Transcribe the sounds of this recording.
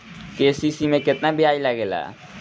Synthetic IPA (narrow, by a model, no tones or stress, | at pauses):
kesisimẽkɪt̪nabiajlaɡela̰